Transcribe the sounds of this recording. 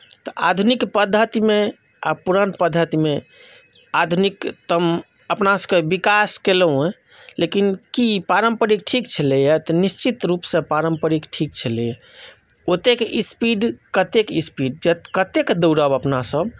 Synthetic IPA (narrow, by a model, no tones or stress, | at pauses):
t̪ɔad̪ʱunikpəd̪ʱːət̪ime | a̰puɾənpəd̪ʱːət̪ime | ad̪ʱunikt̪əm | əpnasəkebikaskelũe | lekinkipaɾəmpəɾik̚ʈʰikt͡ʃʰəlejɛt̪ɔnist͡ʃit̪ɾupsə̃paɾəmpəɾikʈʰik̚t͡ʃʰəlejə | ot̪ekeʔispiɖkət̪ekispiɖ̚d͡ʒət̪kət̪ekd̪əwɾəbəpnasəbʱ